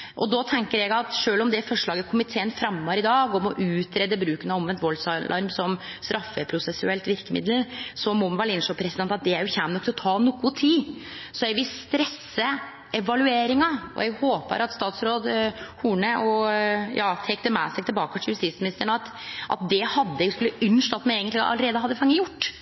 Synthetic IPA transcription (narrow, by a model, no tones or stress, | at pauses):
ʔɔd̪ɔt̪ʰɛŋkəɾɛɡɑt̪ʂøːlɔmd̪ɛfɔʂɭɑːɡəkʰʊmɪt̪ʰeːənfɾɑmːəɾɪd̪ɑːɡɔmɔʔʉːt̪ʰɾɛd̪əbɾʉːkənɑɔmʋɛnt̪ʋɔlsʔɑɾmsɔmst̪ɾʔɑfːəpʰɾʊsɛsʉ̰ɛlt̪ʋɪɾkəmɪ̰d̪əlsɔmɔmʋɑɭɪnʂɔpʰɾɛsɪd̪ɛnt̪ɑt̪̚d̪ɛæɾjʊçæːmnɔkt̪ʰɪɔt̪ʰɑːnɔkːʊt̪ʰiːsɔjɛɡʋɪlst̪ɾɛsːə | ɛʋɑlʉeːɾɪŋɑɔ̰jɛɡhoːpə̰ɾɑt̪st̪ɑːt̪sɾoːd̪huːɳəʔɔjɑːt̪ʰɛk̚t̪əmɛ̰ːsɛɡ̚t̪ɪbɑːkət̪ʰɪljʉst̪iːt̪smɪnɪst̪əɳɑt̪ | ʔɑ̰t̪̚d̪ɛhɑd̪ːəɛɡskʉlːəʔʏnʂʈɑt̪ːmɛɛːɡənl̰ʔɑ̰əɾeːd̪əɦɑd̪ːəfɑŋːəjʊʈː